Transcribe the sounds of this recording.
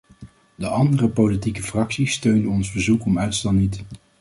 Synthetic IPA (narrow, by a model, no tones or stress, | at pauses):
dəʔɑndərəpolitikəfrɑksistøɥndəɔnzbəzukɔmœɥtstɛlˠnit